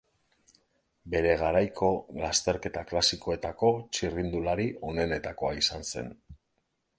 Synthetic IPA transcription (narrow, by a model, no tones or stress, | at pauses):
be̞ɾe̞ɣ̞aɾajkʰo̞last̪e̞ɾke̞t̪aklasiko̞e̞t̪ako̞t͡ʃirind̪ulaɾio̞ne̞ne̞t̪ako̞aisanse̞̰n